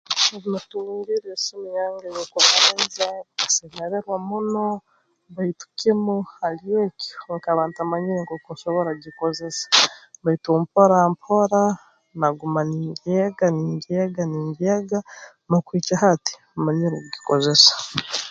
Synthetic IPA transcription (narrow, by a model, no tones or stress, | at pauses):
eβinatumiɾiɾesimujaːŋɡajokuβaɾenzakasemeɾeɾwamuno | βaitu̥kimuhalieːkoŋkaβaːntamaɲiɾeŋɡokusoβoɾaɟiko̞ze̞sḁβaitumpoɾampʰoɾa | naɡumaniːɲɟeɡaniːɲɟeɡaniːɲɟeɡa | nokwiːt͡ʃaɦati̥ | maɲiɾokuɟiko̞ze̞sḁ